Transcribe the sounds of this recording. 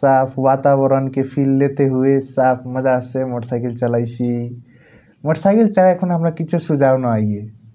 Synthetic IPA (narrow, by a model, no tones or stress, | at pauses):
sapʰwat̪aβəɾənkepʰilːet̪eɦuesapʰməd͡ʒasemɔʈəsajkilt͡ʃəlajsi | mɔʈsajkilt͡ʃalekʰunɦəmɾakit͡ʃʰesud͡ʒabnəajɡe